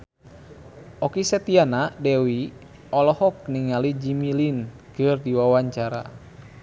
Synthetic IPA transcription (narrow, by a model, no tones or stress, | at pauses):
ʔɔkisət̪ianadɛwi | ɔlɔhɔk̚niŋalid͡ʒimilin | kɨrdiwawaɲt͡ʃaɾa̰